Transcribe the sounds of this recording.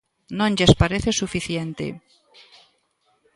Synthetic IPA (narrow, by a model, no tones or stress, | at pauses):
nõŋʎespaɾeθesufiθjent̪ḛ